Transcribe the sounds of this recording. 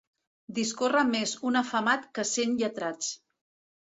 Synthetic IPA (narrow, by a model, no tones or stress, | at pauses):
d̪iskorəmezunəfəmat̪kəsenʎət̪ɾat͡s